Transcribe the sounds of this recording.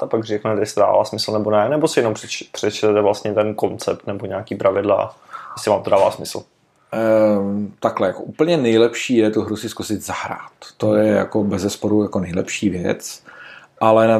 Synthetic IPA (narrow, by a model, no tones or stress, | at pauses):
t̪apaɡrɛknɛt̪jɛsɪ̥t̪oda̰ːva̰ːsmɪsl̩nɛbonɛnɛbosɪjɛnomprɛpr̥ɛt͡ʃt̪ɛt̪ɛvlast̪ɲɛt̪ɛnko̞nt͡sɛp̚t̪nɛboɲaːkiːpɾʔavɪdla̰jɛsɪvaːmt̪odaːva̰ːsmɪsl̩ | t̪aklɛjakoʔuːpl̩ɲɛnɛjlɛpʃiːjɛt̪uɦɾusɪskusɪt̪zaɦɾa̰ːt̪ːo̞jɛja̰kobɛzɛspo̞ɾujakonɛjlɛ̰pʃiːvjɛ̰t͡s | ʔalɛna